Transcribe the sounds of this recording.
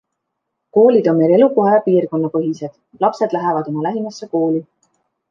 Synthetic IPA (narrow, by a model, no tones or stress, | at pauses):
ko̞ːlʲid̪̥o̞nme̞le̞luko̞ɦejɑpiːrko̞nːɑpɤɦise̞d̪̥ | lɑpse̞d̪̥læɦevɑd̪̥omɑlæɦimɑsːe̞ko̞ːlʲi